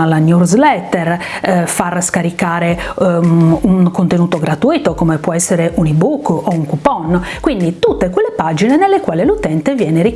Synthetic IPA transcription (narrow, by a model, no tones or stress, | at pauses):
lanjuzlɛt̪ːɛrfarskaɾikaːɾe | uŋkont̪enuːt̪oɡɾat̪uit̪okomepwɔɛsːeɾeʔunibukːɔuŋkupɔnkwind̪it̪ut̪ːekwelːepad͡ʒinenelːekwaːlelut̪ɛnt̪evjɛːneɾi